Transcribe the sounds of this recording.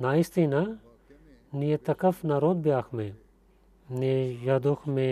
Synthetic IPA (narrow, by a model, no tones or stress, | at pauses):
naːist̪ina | nijet̪ɐkɐfnaɾõːd̪̚bjaːxmẽ | nejaːd̪uxmẽ